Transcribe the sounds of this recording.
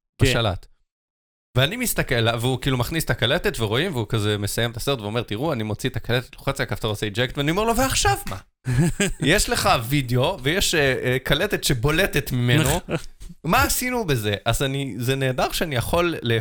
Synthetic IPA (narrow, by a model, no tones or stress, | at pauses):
b̥aʃala̰t̪ | veanimist̪akelaveukiːlumaχnist̪akaletet̪veʁo̞imveukazemesajemet̪aseʁt̪veo̞meʁt̪iʁuanimo̞t͡siet̪akalet̪et̪loχet͡siakaft̪aʁot͡seid͡ʒekt̪veanio̞me̞ʁlo̞veaχʃavma̰ | jeʃleχavideo̞vejeʃekaletet̪ʃebo̞le̞tet̪mimenno | maːsinube̞ze̞ʔazanizeneːdaʁʃeanijaχo̞lːe